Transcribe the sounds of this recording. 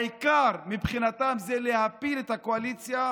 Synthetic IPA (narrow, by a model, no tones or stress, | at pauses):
ikaʁmibχinat̪amzelehapilet̪akoalit͡sja